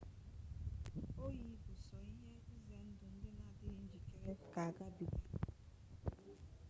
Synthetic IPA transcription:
o˦ji˨˦bʊ˨sɔ˨i˦ɦe˦i˦ze˨n̩˦dʊ˨n̩˦dɪ˦na˨dɪ˦˨n̩˦d͡ʒi˨ke˨ɾe˦ka˨ɡa˦bi˨ka˨

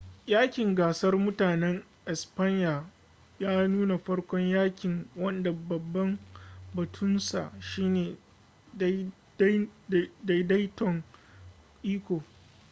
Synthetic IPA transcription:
jaː˦kʲɪ˨ŋɡaː˨sɐ˦rmʊ˦taː˨nɛ˦ŋ | ʔɛ˨spa˦ɲjaː˨ | jaː˦nuː˦na˨ɸɐ˦ɽkʷɔ˦ɲjaː˦kʲɪ˨ŋwɐ˦nda˨bɐ˨bːɐ˦mbɐ˨tʰʊ˦nsa̰˨ʃiː˦neː˨˦ | da˦da˦jtɔ˨ŋ | ʔiː˦kʷoː˨

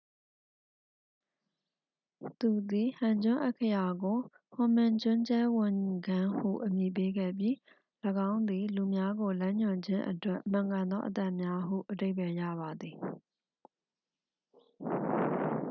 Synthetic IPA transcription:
t̪u˨d̪i˨hã˨ɲd͡ʑʊ̃˦ʔɛ̰˦ʔkʰːə˨ja˨ɡo˨ | hʊ̃˨mɪ̃˨ɲd͡ʑʊ̃˦ɲt͡ɕɛ˦wʊ̃˨ŋ˨ɡã˦hṵ˦˨ʔəmji˨p̬e˦ɡɛ̰˦˨pji˦˨ | ləɡã˦ʊ̃nd̪i˨lu˨mja˦ɡo˨lã˦ɲʊ̃˨ɲd͡ʑɪ̃˦ʔə̰twɛ˦ʔm̥ã˨ŋɡã˨nd̪ɔ̰˦ʔə˦t̪a˦˨ʔmja˦ɦṵ˦˨ʔəde˦ɪpɛ˨jä̰˦˨βa˨d̪ði˨

